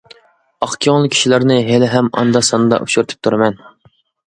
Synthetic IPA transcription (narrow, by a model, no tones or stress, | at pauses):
ɑχkʲʰɑŋlˠɨkʲʰi̥ʃilæɾnɨɦelɪɦɛmɑ̰nd̪ɑsɑnɨd̪ɑ̰ʔṵʃuɾɪt̪ʰɨ̥p̚t̪ʰuɾɨmɛn